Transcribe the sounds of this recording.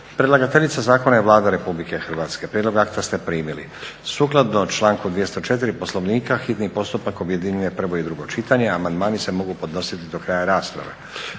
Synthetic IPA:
pɾelˠaɡat̪e̞ʎit̪sazaːkonaeʋlˠaːd̪aɾe̞publike̞xr̩ʋaːt̪ske̞pɾʲed̪lo̞ɡakt̪ast̪e̞pɾiːmilḭ | suːklˠad̪not͡ʃlˠaːŋkud̪ʋje̞st̪ot͡ʃe̞t̪iɾipo̞sloʋniːkaxit̪nipo̞st̪upakobjed̪iɲuje̞pr̩ʋo̞id̪ɾuɡo̞t͡ʃit̪aɲe̞amand̪maːnise̞mo̞ɡupo̞d̪no̞sit̪id̪o̞kɾaːjaɾaːspɾa̰ʋe̞̰

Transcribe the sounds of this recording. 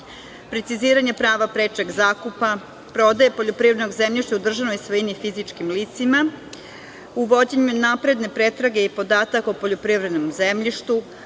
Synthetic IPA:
pɾe̞t̪siziːɾaɲe̞pɾaːʋapɾeːt͡ʃeɡzaːkupa | pɾo̞d̪ajepo̞ʎopɾivɾed̪noɡzemʎʲiʃt̪aud̪r̩ʒanojisʋojinifizit͡ʃkimliːt̪sima | uʋo̞d͡ʑe̞ɲunaːpɾe̞d̪ne̞pɾe̞t̪ɾaɡe̞ipo̞d̪aːt̪akopoʎopɾivɾe̞d̪nomzemʎiʃt̪u

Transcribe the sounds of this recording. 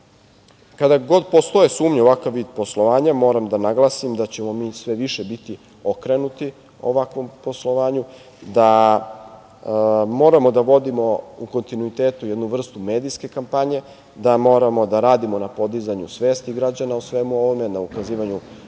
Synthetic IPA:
kad̪aɡo̞d̪po̞st̪o̞jesuːmɲeoʋakaʋːiːd̪̚po̞slˠo̞ʋaːɲamo̞ːɾamd̪anaɡlˠasimd̪at͡ɕe̞mo̞miːsʋe̞ʋiʃebit̪i | o̞kɾe̞nut̪i | o̞ʋakʋo̞mpo̞slo̞ʋaːɲu | d̪a | mo̞ːɾamo̞d̪aʋo̞d̪imo̞uko̞nt̪inuit̪e̞ːt̪ujed̪nuʋr̩st̪ume̞ːd̪iske̞kampaɲe̞ | d̪amo̞ːɾamo̞d̪aɾaːd̪imo̞napo̞d̪izaɲusʋe̞ːst̪iɡɾad͡ʑanausʋe̞muo̞ʋo̞me̞naukaziːʋaɲu

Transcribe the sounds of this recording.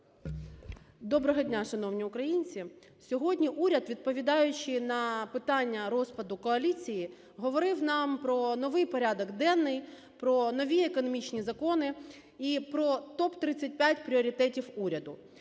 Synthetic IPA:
d̪ɔbɾɔɦɔdʲnʲaʃɐnɔwnʲiʊkɾɐjinʲt͡sʲi | sʲɔɦɔdʲnʲiʔuɾʲɐd̪ʋʲid̪̚pɔʋʲid̪ɑjʊt͡ʃɪnɐpɪt̪ɑnʲːɐɾɔspɐd̪ʊkɔɐlʲit͡sʲiji | ɦɔʋɔɾɪwnɑmpɾɔnɔʋɪjpɔɾʲad̪ɔɡd̪ɛnːɪj | pɾɔnɔʋʲiekɔnɔmʲit͡ʃnʲizɐkɔnɪ | ipɾɔt̪ɔpt̪ɾɪt͡sʲːɐt̚ʲpʲjatʲpɾʲiɔɾʲit̪ɛtʲiwuɾʲɐd̪ʊ

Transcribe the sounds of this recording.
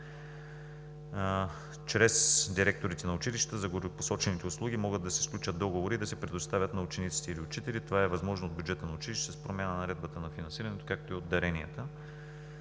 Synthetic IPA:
t͡ʃɾɛsd̪iɾɛk̚t̪oɾit̪ɛnɐʊt͡ʃiliʃt̪ə̥t̪əzɐɡoɾpo̥sɔt͡ʃɛnit̪ɛʊslˠuɡʲimɔɡɤd̪ːɐsɛ̥sklʲut͡ʃəd̪̚d̪ɔɡovoɾid̪ɐsɛpɾɛd̪ost̪avʲət̪nɐʊt͡ʃɛnit̪si̥t̪ɛiliʊt͡ʃit̪ɛlit̪ovaɛvɐzmɔʒnood̪bʲjudd͡ʒɛt̪ənɐʊt͡ʃiliʃt̪t̪ɛspɾomʲanənɐɾɛd̪bət̪ənɐfinɐ̃nsiɾɐnɛt̪o̥kak̚t̪oiod̪ɐɾɛniət̪ə

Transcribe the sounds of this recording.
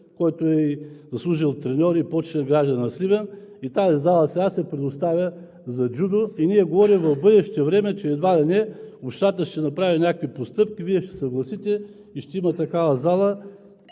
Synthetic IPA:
kɔjt̪oɛizɐslˠuʒilˠt̪ɾɛnʲɔɾiːpɔt͡ʃnɛlˠɡɾaʒd̪ɐnɐslʲibɛn | it̪azizalˠəsɛɡasɛpɾɛd̪ost̪avʲjə | zɐd͡ʒud̪oiniɛɡovɔɾimvɐvbɤd̪ɛʃt̪ɛvɾɛmɛt͡ʃɛːd̪vad̪ɛnʲɛopʃt̪at̪əʃt̪ɛnɐpɾavinʲakkvipost̪ɤpkʲiviɛʃt̪ɛ̥sɐɡlˠɐsit̪ɛ | iʃt̪ɛimɐt̪ɐkavɐzalˠə

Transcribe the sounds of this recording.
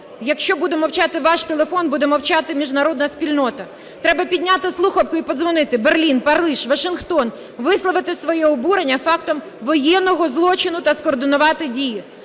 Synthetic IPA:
jɐkʃt͡ʃɔbud̪emɔwt͡ʃɑt̪ɪʋɑʃt̪elˠefɔnbud̪ɛmɔwt͡ʃɑt̪ɪmʲiʒnɐɾɔd̪nɐsʲpʲilʲnɔt̪ɐ | t̪ɾɛbɐpʲidʲnʲat̪ɪslˠuxɐwkʊipɔd̪zʋɔnɪt̪ɪberlʲinpɐrlˠiʃʋɐʃɪnxt̪ɔn | ʋɪslˠɔʋɪt̪ɪsʋɔjɛɔbuɾenʲːɐfɑk̚t̪ɔm | ʋɔjɛnːɔɦɔzlˠɔt͡ʃɪnʊt̪ɐskɔːrd̪ɪnʊʋɑt̪ɪdʲiji

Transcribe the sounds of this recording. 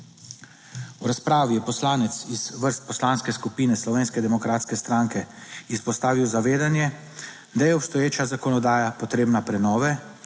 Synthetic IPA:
wɾaspɾaːʋijɛpɔslaːnɛt̪siz̥ʋəɾst̪̚pɔslaːnskɛskupiːnɛslɔʋeːnskɛd̪ɛmɔkɾaːt̪skɛst̪ɾaŋkɛispɔst̪aːʋiwzaʋeːd̪anjɛ | d̪ajɛɔpst̪ɔjeːt͡ʃazakɔnɔd̪aːjapɔt̪ɾeːbnapɾɛnɔːʋɛ

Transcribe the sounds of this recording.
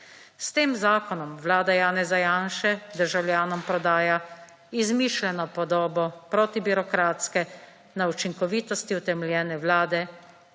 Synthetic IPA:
st̪eːmzaːkɔnɔmʋlaːd̪ajaːnɛzajaːnʃɛd̪əɾʒawljaːnɔmpɾɔd̪aːja | izmiːʃlɛnɔpɔd̪ɔːbɔpɾɔːt̪ibiɾɔkɾaːt̪skɛ | naut͡ʃiŋkɔʋiːt̪ɔst̪iut̪ɛmɛljɛːnɛwlaːd̪ɛ

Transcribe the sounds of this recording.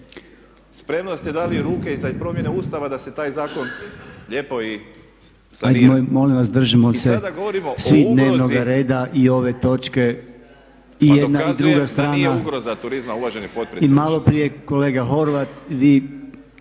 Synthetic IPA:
spɾe̞mnost̪ed̪aliɾuːkeizapɾomjeneuːst̪aʋad̪aset̪aːjzaːkonʎepoi | sajmo̞lĩmʋasd̪r̩ʒimosed̪aɡoʋoɾimosʋid̪ne̞ːʋno̞ɡaɾe̞ːd̪aʔio̞ʋe̞t̪o̞t͡ʃke̞ | ijed̪naid̪ɾɾuɡast̪ɾaːnauɡɾozat̪uɾizmaulaʒenipot̪̚pɾiimalo̞pɾije̞ko̞le̞ːɡaɦo̞ɾʋat̪ʋiː

